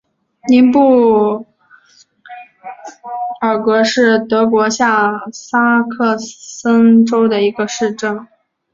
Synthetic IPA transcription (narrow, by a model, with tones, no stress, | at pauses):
ni˧˥npu˥˩ | ə˞˨˩kwɔ˧˥ʂɻ̩˥˩t̪ɤ˧˥k̬wɔ˧˥ɕja˥˩sa˥kʰɤ˥˩sə˥nʈ͡ʂo˥ʊd̪ə˨i˧˥ɡə˧ʂɻ̩˥˧ʈ͡ʂɤ˥˩ŋ